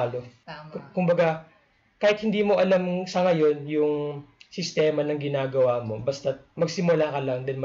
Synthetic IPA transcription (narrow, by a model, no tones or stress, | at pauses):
lo̞kʊmbɐɡa | kaːhɪt̪hɪnd̪iːmo̞ʔɐlamsɐŋɐjo̞njʊŋsɪst̪ɛːmɐnɐŋɡɪnaːɡɐwaːmo̞bɐst̪ɐmɐɡsɪmʊlaːkɐlɐŋd̪ɐlm